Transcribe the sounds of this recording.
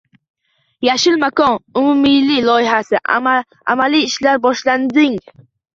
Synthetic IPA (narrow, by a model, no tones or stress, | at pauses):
jaʃɪlmakɒnʊmʊmɪjlɪlˠɒjɪɦasɪ | a̰maliːʃlaɾbɒʃland̪ɪŋ